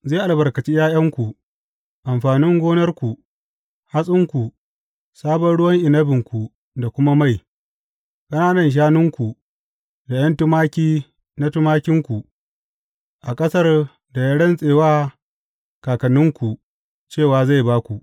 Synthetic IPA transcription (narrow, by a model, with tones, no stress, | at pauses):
za˦˨ʔa˨lbɐ˨rkɐ˨t͡ʃi˦jaː˦jɐ˦ŋkʷu˨ | ʔa˨mɸaː˨nɪ˦ŋɡʷoː˦nɐ˦rkʷu˨ | ha˦sʼɪ˦ŋkʷu˨ | saː˦bɐ˦nɽʊ˦wɐ˦ŋʔɪ˨nɐ˦bɪ˨ŋkʷu˨ | da˨kʷʊ˦ma˦ma˦˨j | kʼɐ˦naː˦nɐ˨nʃ̬aː˦nɪ˦ŋkʷu˨ | da˨j̰ɐ˦ntʊ˦maː˦kʲiː˦ | na˦tʊ˦maː˦kʲɪ˦ŋkʷu˨ | ʔa˨kʼɐ˦sɐ˦r | da˨jɐ˦ɽɐ˦nsʼeː˨waː˦ | kaː˨kɐ˨nːɪ˦ŋkʷu˨ | t͡ʃeː˦˨waː˨za˦˨jbaː˦kʷu˨ʔ